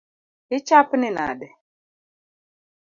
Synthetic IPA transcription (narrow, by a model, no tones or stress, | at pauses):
ɪt͡ʃapnɪna̰dɛ